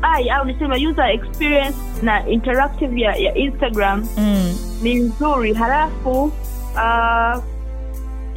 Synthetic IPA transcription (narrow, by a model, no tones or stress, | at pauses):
ajaunasɛmajuzaɛkspiɹiɛ̃ns | naʔintɛɾak̚tivjajaʔinstaɡɾam | ninzuɾiɦalafu | a